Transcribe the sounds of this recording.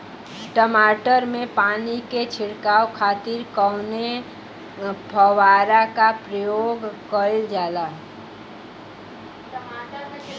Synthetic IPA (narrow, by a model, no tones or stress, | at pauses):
ʈəmaʈəɾmẽpaniket͡ʃʰɪɽkawkʰaːt̪iɾkəwne | pʰəwaɾakapɾəjoɡkəild͡ʒalaɦ